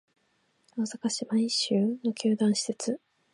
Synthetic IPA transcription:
osakaɕimaĩɕɨːno̞kʲʰɨːd̪ãɰ̃ɕi̥se̞t͡sɨ

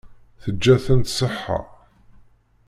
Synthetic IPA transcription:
θəd͡ʒːæθənt̪səħːa̰

